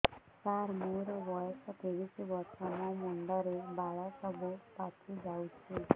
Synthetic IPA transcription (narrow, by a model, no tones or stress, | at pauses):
t͡ʃaɾmuɾbɔjɔsɔt̪eʋisibɔɾsɔmɔmɔɳɖɔɾebaɭɔsɔbʱupatʰid͡ʒawt͡ʃʰi